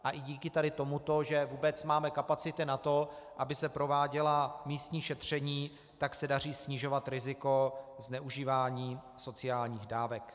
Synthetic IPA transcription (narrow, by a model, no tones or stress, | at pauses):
ʔaʔɪɟiːkɪt̪adɪt̪o̞mut̪o̞ʒɛvuːbɛt͡smaːmɛkapat͡sɪt̪ɪnat̪o̞ʔabɪsɛpɾo̞vaːɟɛlamiːst̪ɲiːʃɛt̪r̝̥ɛɲiː | t̪aksɛdar̝iːsɲɪʒo̞vat̪ɾɪzɪko̞znɛʔuʒiːvaːɲiː | so̞t͡sɪaːlɲiːɣdaːvɛk